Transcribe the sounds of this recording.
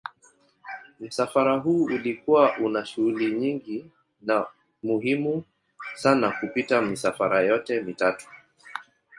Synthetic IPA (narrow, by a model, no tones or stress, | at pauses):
m̩safaɾaɦuːulikuwaʔunaʃuhuliɲiŋɡi | na | muɦimu | sanakupitamisafaɾajɔtɛmitatu̥